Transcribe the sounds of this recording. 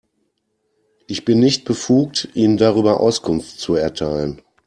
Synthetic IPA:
ʔɪçb̥ɪnːɪçt̚b̥əfuːk̚tʔiːnəndaʁ̞yːbɐʔa̰ʊskʰʊnftt͡suɛɐtʰaɪlən

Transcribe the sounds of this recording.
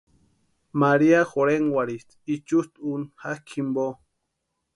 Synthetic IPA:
maɾiaxoɾeŋwaɾit̪it͡ʃust̪unhakʰimbo

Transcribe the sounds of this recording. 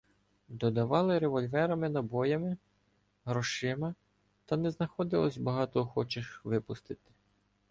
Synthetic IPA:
d̪ɔd̪ɐʋɑlˠɪɾeʋɔlʲʋɛɾɐmɪnɐbɔjɐmɪ | ɦɾɔʃɪmɐ | t̪ɐnɛznɐxɔd̪ɪlˠɔsʲbɐɦɑt̪ɔxɔt͡ʃɪʃʋɪpʊst̪ɪt̪ɪ̥

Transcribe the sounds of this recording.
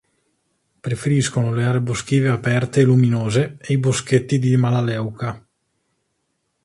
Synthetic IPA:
pɾefeɾiskonoleaːɾebosk̟iːveapɛrt̪eːluminoːzeejbosk̟et̪ːid̪imalalɛwka

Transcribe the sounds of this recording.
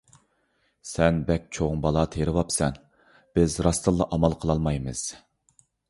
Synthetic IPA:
sɛnbɛk̚ʲt͡ʃʰoʁʊŋbɑlˠɑt̪ʰeɾɨvɑpsɛn | b̥ɪzɾɑst̪ʰɨlˠːɑʔɑmɑlˠqʰəlˠɑlˠmɑjmɨ̰z̥

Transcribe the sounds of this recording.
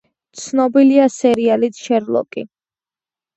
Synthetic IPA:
t̪sʰnɔbiliasɛɾialit̪ʰʃɛɾlˠɔ̰kʼḭ

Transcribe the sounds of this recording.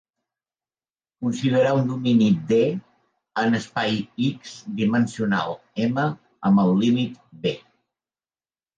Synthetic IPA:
kunsiðəɾaund̪uminid̪e | ənəspajikzd̪imənsiuna̰lˠ | emə | əmbəlˠːimit̪be

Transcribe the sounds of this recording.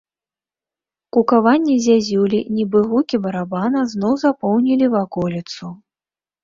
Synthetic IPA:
kukavanʲːɛzʲazʲulʲinʲibɨɣukʲibɐɾabanɐznɔwzapɔwnʲilʲivakɔlʲit̪su

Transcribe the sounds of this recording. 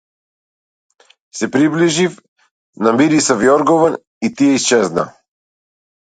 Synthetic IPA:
sɛpɾibliʒif | namiɾisavjɔɾɡɔvan | it̪ijɛist͡ʃɛzna̰

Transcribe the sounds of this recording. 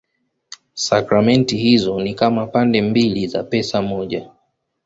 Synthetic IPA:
sakɾamɛntihizɔnikamapandɛmbiliza̰pɛsamɔʄa

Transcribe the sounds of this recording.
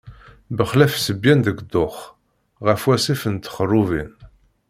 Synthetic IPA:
bəχlæfsəbjænd̪əɡd̪ʊχ | ʁəfwæsifənt̪ːə̥χərˤːuvḭn

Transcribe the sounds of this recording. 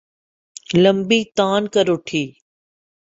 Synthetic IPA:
ləmbiːt̪aːnkəɾʊʈʰiː

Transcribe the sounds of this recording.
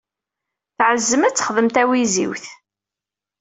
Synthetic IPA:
θʕəzːəmæt͡sːə̥χðəmt̪æwizḭwθ

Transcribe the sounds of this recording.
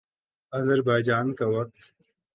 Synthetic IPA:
ɐzəɾbaːjd͡ʒaːnkawɐk̚t̪

